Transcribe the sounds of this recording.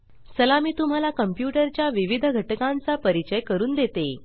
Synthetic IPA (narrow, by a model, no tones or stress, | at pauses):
səlamiːt̪um̤alakəmpjuʈəɾt͡ɕjaʋiʋid̪ʱəɡʱəʈkãnt͡sapəɾit͡ɕəjkəɾuːnd̪et̪e